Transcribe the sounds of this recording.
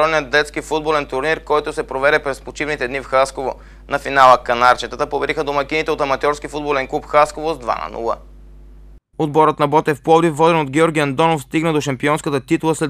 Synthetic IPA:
ɔlnijət̪̚d̪ɛt̪skifud̪̚bolɛnt̪ʊɾniɾkɔjt̪ʊsɛpɾovɛɾɛpɾɛspot͡ʃivnit̪ɛd̪nifxaskovo | nɐfinalˠəkɐnaɾt͡ʃɛt̪ət̪əpobɛɾixəd̪omɐkʲinit̪ɛot̪ɐmɐt̪ʲjɔɾskifud̪̚bolɛnklˠupxaskovozd̪va̰nɐ̰nṵlˠə̰ | od̪bɔɾət̪nɐbɔt̪ɛfpˠɔd̪ifvːɔd̪ɛnod̪ɡʲɛɔɾɡʲiɐnd̪ɔnofst̪iɡnəd̪oʃɐmpiɔnskət̪ət̪it̪ulˠəslɛ

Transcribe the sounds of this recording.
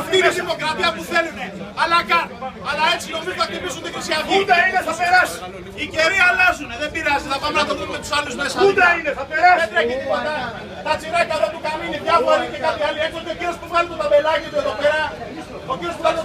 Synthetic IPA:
ft̪ieðimo̞kɾɐt̪iɐpuθe̞luneɐlɐkɐnɐlɐe̞t͡sino̞mizotɐk̚t̪ipisunt̪ixɾisiɐkid̪ɐineɐpeɾɐsi̥ | iceɾiɐlɐzuneðembiɾɐzit̪ɐpɐmnɐθɐðunumet̪u̥sɐluzmesud̪ɐineɐpeɾɐset̪ɾeket̪ipot̪ɐ | θɐt͡siɾɐit̪ɐlop̪ukɐminepjɐfoɾicekɐθiɐliet̪ot̪eocenospuvɐlut̪ot̪ɐbelɐʝet̪eðopeɾɐ | oceospuvɐl

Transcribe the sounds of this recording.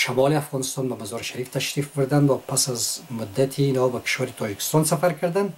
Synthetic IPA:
ʃamɔliafʁɔnist̪ɔnbamazɔɾʃaɾift̪ʰaʃɾifbuɾd̪and̪vapʰasazmud̪ːat̪ʰiːnhɔbakʰi̥ʃvaɾit̪ʰɔd͡ʒikʰi̥st̪ɔnsafaɾkʰaɾd̪and̪

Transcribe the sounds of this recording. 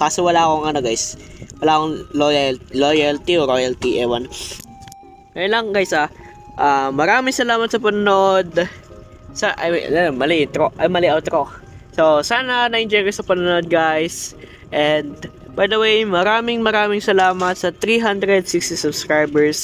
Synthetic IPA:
kaːsowɐlaːkoŋɐnoɡajswɐlaːkoŋlojallojalt̪ioɾojɐlt̪iʔɛwɐn | kɐjɐnlɐŋɡajsɐ | ʔaːmɐɾaːmɪŋsɐlaːmɐt̪̚sɐpɐnɐnoʔod̪ | saʔɐ̰j̰ɐmɐlɪʔɪt̪ɾoʔɐjmɐlɪʔawt̪ɾo | sosaːnɐnɐʔɪnd͡ʒɛjkosɐpɐnɐnod̪̚ɡajs | ʔɛnd̪̚ | bɐjd̪ɐwejmɐɾaːmɪŋmɐɾaːmɪŋsɐlaːmɐt̪̚sɐt̪ɾiɦand̪ɾɛd̪̚sɪkst̪isʊbskɹajbɛɹs

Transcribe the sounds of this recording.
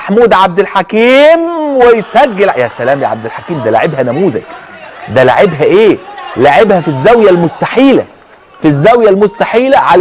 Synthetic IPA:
aħmuːd̪ʕab̚d̪ɪlħakiːmwɪjsæɡːɪljæsælæːmjʕa̰b̚d̪ɪlħakiːmd̪æla̰ʕebhænæmuːzæ̰k | d̪ælaʕebɦæʔeːlaʕebhæfizːæwjælmʊst̪aħiːlæ | fizːæwjælmʊst̪aħiːlæʕal

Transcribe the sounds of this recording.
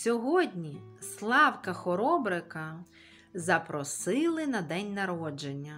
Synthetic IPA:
sʲɔɦɔdʲnʲislˠɑwkɐxɔɾɔbɾɪkɐ | zɐpɾɔsɪlˠɪnɐd̪ɛnʲnɐɾɔd͡ʒenʲːɐ

